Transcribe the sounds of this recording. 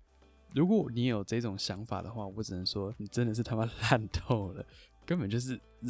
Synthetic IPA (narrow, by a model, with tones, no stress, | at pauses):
ɻu˧˥kwɔ˧˦ni˧˥jo˨˩ʊʈ͡ʂɤ˥˧i˥˩ʈ͡ʂʊ˨˩ŋɕjɑ˧˥ŋfa̰˨˩d̪ə̰˦xwa˥˩wɔ˧˥ʈ͡ʂɻ̩˨˩nə˧˦ŋʂwɔ˥ni˨˩ʈ͡ʂə˥nd̪ə˨ʂɻ̩˥˩t̪ʰa˥mə˧nla˥˧nt̪ʰo˥˩ʊlə˩ | kə˥npə˨˩nt͡ɕjo˥˧ʊʂ̬ɻ̩˥˩